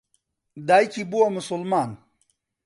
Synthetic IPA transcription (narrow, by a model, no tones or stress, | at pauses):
d̪aːjkibuwamʊsulmaːn